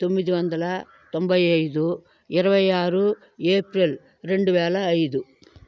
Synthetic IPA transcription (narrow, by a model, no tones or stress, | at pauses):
t̪omːid̪iʋɐnd̪ɐlɐ | t̪ombɐjɐjd̪u | iɾɐʋɐjaːɾu | eːpɾil | ɾe̞ɳɖuʋɛːlɐːjd̪u